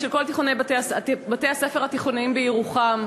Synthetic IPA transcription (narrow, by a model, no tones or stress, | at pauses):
ʃelko̞lt̪iχonebateasabatejhasefeʁhat̪iχonimbejiʁuχam